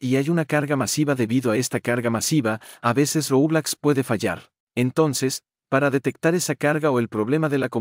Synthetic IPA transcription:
iajunakaɾɣamasiβaðe̞βiðo̞ae̞st̪akaɾɣamasiβaːβe̞se̞srouβlakspwe̞ðe̞faʝa̰ɾ | e̞nt̪o̞nse̞s | paɾaðe̞t̪e̞k̚t̪aɾe̞sakaɾɣao̞e̞lpɾo̞βle̞maðe̞lako

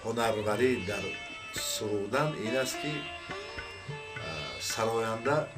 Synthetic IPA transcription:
hɔnaɾvaɾid̪aɾ | suʁuɾd̪aninast̪ki | saɾɔjand̪a

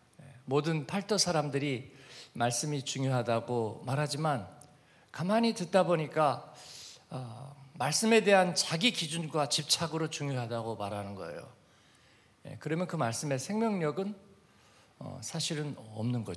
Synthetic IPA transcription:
jemodɯnpʰaɭt͈ʰosʰaɾamdɯɾimaɭs͈ɯmit͡ɕuŋjoɦadaɡomaɾɦad͡ʑiman | kamɦaɲitɯet̚t͈aboɲik͈a | maɭs͈ɯme̞de̞ɦant͡ɕaɡikid͡ʑunɡwat͡ɕip̚t͡ɕʰaɡɯɾot͡ɕuŋjoɦadaɡomaɾɦanɯnɡʌ̰e̞̰jo̰ | je̞̰kɯɾʌmjʌnkɯmaɭs͈ɯme̞sʰe̞ŋmjʌŋɲʌɡɯn | ʌ̰sʰaɕʰiɾɯnʌ̰mnɯnɡʌd͡ʑo

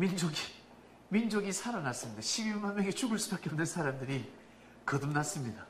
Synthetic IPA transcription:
mind͡ʑoɡi | mind͡ʑoɡisʰaɾanas͈ɯmɲidaɕʰibiɭmanmeŋɡet͡ɕuɡɯɭs͈ubak͈eʌmnɯnsʰaɾamdɯɾi | kʌdumnas͈ɯmɲida

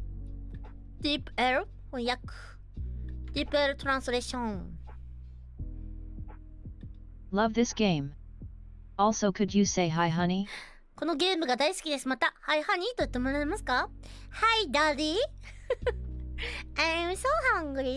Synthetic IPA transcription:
d̪̥ipeɾ | hojakɯ̥ | d̪̥ipeɾt̪oɾãsɾeɕõn | lʌvðɪsɡ̥ẽɪ̃m | ɔlˠsoʊkʰɨd͡ʒɨseɪɦaɪɦʌni | ko̞noɡẽ̞ːmɯ̟ɡad̪aisɨ̥kʲid̪e̞sɨmat̪ahaihanʲit̪oit̪ːe̞moɾaemasɨ̥kahaid̪ali | ãnwisohãŋɡɯɾi

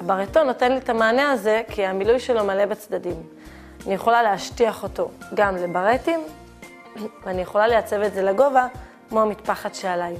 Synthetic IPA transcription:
abaʁeto̞no̞te̞nlitamaːneaze̞kʰiamilujʃe̞lo̞male̞bat͡sdadim | anijeχo̞laleaʃtiaχo̞to̞ɡamlebaʁetim | veanijeχo̞lalejat͡se̞vetze̞laɡo̞vakmoamitpaχadʃealaj

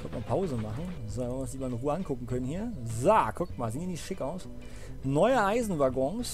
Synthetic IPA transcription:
kɔntmaːpʰaʊzəmaχn̩zonnvɪʊnsz̥ɪçmaːlɪnəʁuːəʔankʰʊkŋ̩kʰœnənhiːɐzakʰʊk̚tmaːlziːniɐnɪçtʃɪkʔaʊs | nɔʏəʔaɪzn̩vaɐɡɔŋs

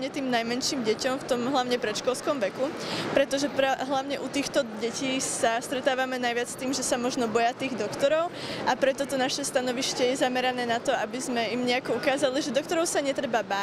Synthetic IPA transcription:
ɲɛt̪iːmnajmɛnʃiːmɟɛcɔmft̪ɔmɦlaʊɲɛpɾɛʃkɔlskɔmʋɛkupɾɛt̪ɔʒɛpɾɛɦlaʊɲɛʔut̪iːxt̪ɔɟɛciːsast̪ɾɛt̪aːʋamɛnajʋɪat͡st̪iːmʒɛsamɔʒnɔbɔjat̪iːɣd̪ɔkt̪ɔɾɔʊapɾɛt̪ɔt̪ɔnaʃɛst̪anɔʋiʃcɛjɛzamɛɾanɛːnat̪ɔabizmɛimɲɛakɔukaːzaliʒɛd̪ɔk̚t̪ɔɾɔʊsaɲɛt̪ɾɛbabaː

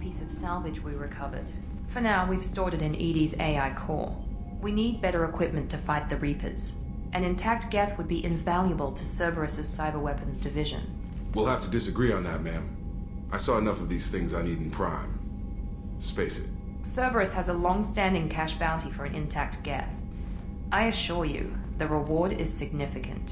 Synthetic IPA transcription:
pʰisʌv̥sælˠvɨd͡ʒwiɹɨkʰʌvə̰˞d̥ | fə˞naʊwiv̥stɔɹɾɨɾɨ̃nʔiɾizḛɪaɪkʰɔ̰ɹ | winid̚bɛɾə˞ɨkʰw̥ɪp̚mɨ̃ntʰɨfaɪt̪̚ðɨɹipʰɨ̰z̥ | ʔɨ̃nɨ̃ntʰæk̚t̚ɡ̥ɛθwəd̚biʔɨ̃ɱvælˠjɨbəlˠtʰɨsɜ˞bə˞ɨsɨz̥saɪbə˞wɛpɨ̃n̩zdɨvɪʒɨ̰̃n | wilˠhæftɨdɨsɨɡɹiə̃nðɨ̰t̚mæ̃m | ʔaɪsɔɨnʌfʌvðiz̥θɪ̃ŋzaɪnidⁿn̩pʰɹ̥ã̰ɪ̃m | speɪsɨ̰t̚ | sɜ˞və˞ɨshɨzəlɔ̃ŋstæ̃ndɪ̃ŋkʰæʃb̥ãʊ̃ntifə˞ɨ̃nʔɨ̰̃ntʰæk̚t̚ɡ̥ɛ̰θ | ʔaɪɨʃʊɹjʉ̰ðɨɹəwɔɹɾɪ̰z̥sɨɡ̚nɪfɨkʰɨ̰̃nt

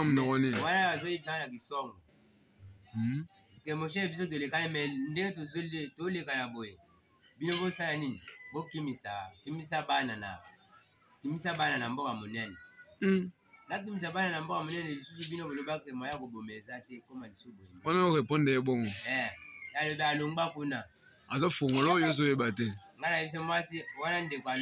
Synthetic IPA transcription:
munɔkɔniwanaazojefaŋanak̬isɔŋɡo | kemoʃɛabis̬ot̬olekanemɛndeŋɡet̬ozotolekanaboje | binobosalaninibokimisakimisabanana̰ | kimisabananambokamonɛnɛ | nak̬imis̬abananambokamonɛnɛlisusubinobolobakemaakobomeezatɛkomalisobojmonaokepondeeboŋɡoɛalobealoŋɡ͡bakuna | azofoŋɡolojozojebatɛŋɡanaebis̬amwasiwanandekoa

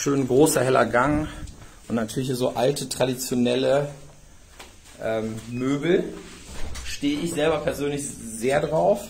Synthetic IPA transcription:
ʃøːnɡʁoːsɐɦɛlɐ̰ɡaŋʔʊntnatʰyːɐlɪçiːzo̰ːʔaltʰətʁ̥adit͡sjonɛlə | ʔɛːmmøːbl̩ | ʃteːəʔɪçz̥ɛlbɐpʰɛɐzøːnlɪçzeːɐdʁaʊf

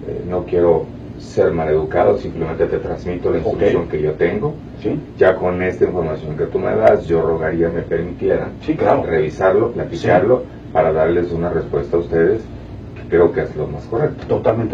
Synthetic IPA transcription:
ḛno̞kje̞ɾo̞ | se̞ɾmale̞ðukaðo̞simpleme̞nt̪e̞t̪e̞t̪ɾanzmit̪o̞lainst̪ɾuksjo̞ŋke̞ʝo̞t̪e̞ŋɡo̞ | siʝako̞ne̞st̪aiɱfo̞ɾmasjo̞ŋke̞t̪umḛðasʝo̞ro̞ɣaɾiame̞pe̞ɾmit̪je̞ɾa̰nsiklareβisaɾlo̞plat̪ikaɾlo̞ | paɾaðaɾle̞sunare̞spwe̞st̪aːust̪e̞ðe̞s | ke̥kɾe̞o̞kee̞zlo̞̰masko̞rek̚t̪o̥t̪ot̪almẽnt̪e

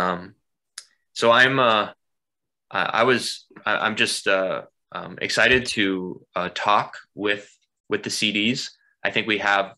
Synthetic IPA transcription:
ʌ̃m | soʊãɪ̃mʌ | ʔʌ̰ʔa̰ɪwʌz̥aɪʔã̰ɪ̃md͡ʒʌstʌ | ʔʌ̰̃mɨ̰ksaɪɾɨd̚tʰɨʌtʰɔkwɪð̥ | wɨðɨsiɾiz̥ | ʔaɪθɪ̃ŋkwiəv̥

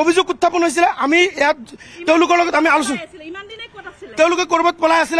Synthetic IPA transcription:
obʱizoɡut̪ʰːapɔnɦojs̬ileʔamiejat̪eʊ̃lʊkɔɹlɔɡɔt̪amialusũ | t̪eʊ̃lʊkɔkɔɾbɔt̪̚bɔlajasile

